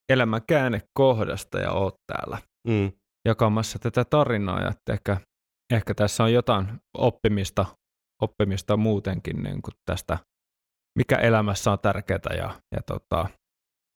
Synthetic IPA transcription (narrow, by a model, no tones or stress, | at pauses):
elæmækæːnekkohdɑ̰st̪ɑ̰jɑ̰oːt̪t̪æ̰ːlːæ | jɑkɑmɑsːɑt̪æt̪æt̪ɑrinɑ̰ːjɑ̰et̪ːæḛhkæ | ehkæt̪æsːæojjot̪ɑinopːimist̪ɑ | opːimist̪ɑmuːt̪eŋkḭnnḭːŋkut̪t̪æ̰st̪æ | mikæ̰ʔelæmæsːæont̪ærkeːt̪æ̰jɑ̰jɑ̰t̪o̰t̪ɑ